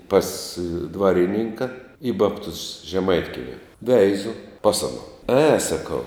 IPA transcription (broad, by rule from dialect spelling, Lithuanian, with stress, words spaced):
pɐs ˈdʋɑːrʲɪnʲɪŋkɐ ɪ ˈbɑːptʊs ʒʲɛˈmɐɪtʲkʲiɛmʲɪ ˈʋʲɛɪzʊ ˈpɐs ɐnoː ɛ sɐˈkɐʊ